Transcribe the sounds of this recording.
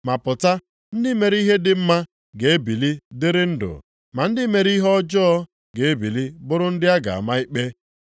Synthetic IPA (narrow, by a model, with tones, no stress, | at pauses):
ma˨pʊ˨ta˦ | n̩˦dɪ˦me˨ɾi˦ɦe˦dɪ˨m̩˦ma˦ | ɡe˨e˦bi˨li˦dɪ˦ɾɪ˦n̩˦dʊ̰˨ | ma˨n̩˦dɪ˦me˨ɾi˦ɦɔ˦d͡ʒɔ˦ɔ˦ | ɡe˨e˦bi˨li˦bʊ˦ɾʊ˦n̩˦dɪ˦a˦ɡa̰˨a̰˨ma˦i˦k͡pe˦